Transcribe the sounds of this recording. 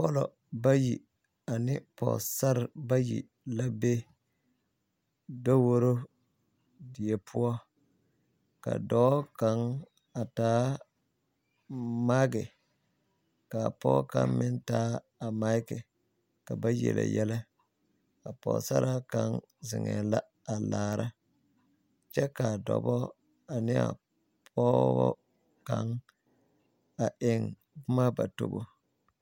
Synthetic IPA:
pɔ˦lɔ˨ | ba˦ji˨ | a˨nɪ˦pɔ˨sa˦ɾba˦jḭ˨ | la˦be˦ | da˦wo˦ɾo˦ | dɪ˨je˨pʰʊ˦ɔ˦ | ka̰˨dɔː˦ka˦ŋ | a˨taː˨˦ | ma˦kɪ˨ | ka˨pɔ̰˦ka˦mɪ˦n˦taː˦ | a˨ma˦i˦ke˨ | ka˨ba˦jḛ˨lḛ˨jɛ˦le˦ | a˨po˨sa˦ɾʔa˦ka˦ŋ | zɪ˨ŋe˨la˦ | a˨la˨ɾʔa˦ | t͡ʃɛ˦ka˨dɔ̰˨bɔ˦ | a˨ni˦a̰˨ | pʰɔ˦wɔ˦ | ka˦ŋ | a˨ʔe˨ŋ | bu˦ma˦ba˨to˦˨bo˦

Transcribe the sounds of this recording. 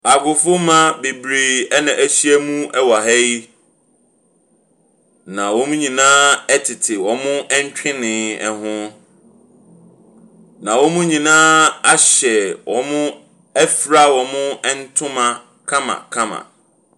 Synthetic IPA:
a˨ɡʊ˨fʊ˦mã˦be˨bɾiː˨ɛ˦nã˨ʔæ˦ɕi˦ɛ˦mũ˦ʔɛ˦wa˨ɦɛ˦i˦ | nã˨wɔ̃˦mʊ̃˦ɲĩ˨nãː˦ɛ˦tʰɪ˨tʰɪ˨wɔ̃˨mʊ̃˦ɛ˦ɲ˦t͡ɕᶣʰɪ̃˦nɪ̃˨ɛ˨ɦʊ̃˦ | nã˨wɔ˦mʊ̃˦ɲĩ˨nãː˦a˦ɕɛ˨wʔɔ̃˨mʊ̃˦ | ɛ˦fɾa˦wɔ̃˨mʊ̃˦ɛ˦n̩˦tʰʊ̃˦mã˨ | kʰã˦mã̰˨kʰã˦mã̰˨

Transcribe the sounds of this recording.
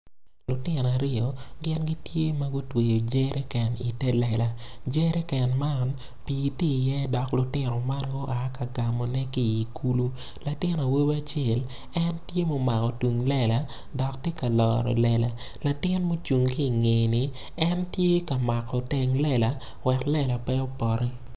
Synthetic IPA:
lʊ˨tɪ˦nɔ˨a˨ɾɪ˦ɔ˨ɡɪ˦nɡi˦tje˦mɐ˦ɡʊ˦twe˨jo˨d͡ʒe˦ɾʔe˦kɛ˨ni˨tɛ˦lɛ˨la˨d͡ʒe˦ɾe˦kɛ˨nma˦n | piː˨ti˦˨jɛ˦dɔ˨klʊ˨tɪ˦nɔ˨ma˦nɡʊ˦ʔa˨˦ka˨ɡa˨mɔ˨nɛ˦ki˦˨i˨kʰu˦lu˦ | la˨tɪ˦na˨wo˦ba˦t͡ʃje˦˨l | ɛ˦ntje˦mo˨ma˨kɔ˨tu˨ŋlɛ˦la˨ | dɔ˨k̚te˦ka˨lɔː˨ɾɔ̰˨lɛ˦la˨ | la˨tɪ˦nmo˦t͡ʃu˨ŋki˦˨ŋe˨nɪ˨ | ɛ˦ntje˦ka˨ma˨kɔ˨tɛ˨ŋlɛ˦la˨ | wɛ˨klɛ˦la˨pɛ˦o˦pɔ˨ɾi˦

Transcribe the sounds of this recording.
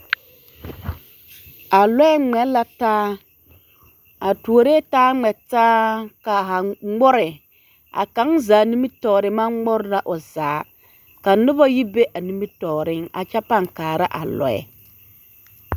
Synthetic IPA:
a˨lɔ˦ɛ˦ŋ͡mɛ˨˦la˨taː˦ | a˨tu˨o˨ɾeː˦taː˦ŋ͡mɛ˨taː˦ka˨ɦa˨ŋ͡mʊ˦ɾɪ˨ | a̰˨ka˨˦ŋzaː˨ni˦mi˦tɔː˨ɾɪ˨ma˦ŋ˦ʊ˦ɾla˨ʔʊ˨zaː˨˦ | ka˨nʊ˦bɔ˦ji˦be˦ʔa˨ni˦mi˦tɔː˨ɾɪ˦ŋa̰˨t͡ʃɛ˦pa˦ŋkaː˨ɾa˦ʔa̰˨lɔ̰˨˦ɛ̰˨

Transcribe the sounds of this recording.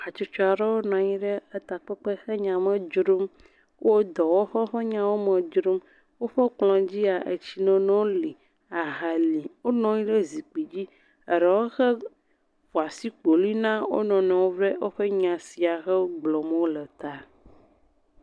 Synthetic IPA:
a˨t͡ʃo˦t͡ʃɔ˦a˨ɾɛ˦wo˦nɔ̃˨ɲĩ˦ɖɛ˦ə˦t̪a˨k͡pɛ˦k͡pɛ˦xɛ˦ɲã˨mɛ̃˦d͡ʒɾo˦m | wo˦d̪ɔ˨wo˦ɸɛ˦ɸɛ˦ɲã˦wo˦mɛ̃˨d͡ʒɾo˦m | wo˦ɸɛ˦k͡plɔ̃˨d͡ʑi˦a˨ʔḛ˨t͡ɕi˦nɛ̃˦nɔ̃˦wo˦li˨ | a˨ɦa˨li˨wo˦nɔ̃˦ɲĩ˦ɖe˦zi˨k͡pi˨d͡ʑi˦ | ə˨ɾɛ˨wo˦xɛ˦ | ɸu˨a˨si˦k͡po˨li˦nã˦wo̰˦nɔ̃˨nɛ̃˨wo˦vɾɛ˦wo˦ɸɛ˦ɲã˨si˨a˨xɛ˦ɡ͡blɔ˨m˦o˦lə˨t̪a˦

